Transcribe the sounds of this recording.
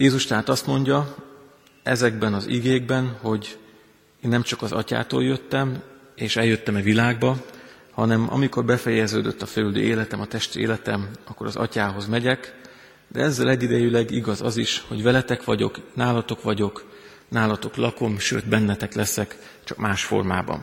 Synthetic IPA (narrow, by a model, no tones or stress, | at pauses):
jeːzuʃt̪ɛɦaːt̪ɒst̪mo̞ɲɟɒ | ɛzɛɡbɛnɒzḭɡeːɡ̚bɛnho̞ɟ | eːnːɛmt͡ʃɒkɒzɒ̰ca̰ːt̪o̰ːljø̞t̪ːɛm | eːʃɛljø̞t̪ːɛmɛvilaːɡbɒ | hɒnɛmʔɒ̰miko̞rbɛfɛjɛzøːd̪øt̪ːɒfɛlyld̪ø̰ːeːlɛt̪ɛmɒt̪ɛʃt̪ḛːlɛt̪ɛmɒkːo̞̰ɾɒzɒ̰caːɦo̞zmɛɟɛk | d̪ɛ̰ɛzːɛlɛɟːid̪ɛjylɛɡiɡɒzɒziʃho̞ɟvɛlɛt̪ɛkʋɒɟo̞̰knaːlɒt̪o̞kʋɒɟo̞k | naːlɒt̪o̞klɒko̞mʃø̰ːt̪bɛnːɛt̪ɛklɛsɛk | t͡ʃɒkmaːʃfo̞̰rma̰ːbɒ̰n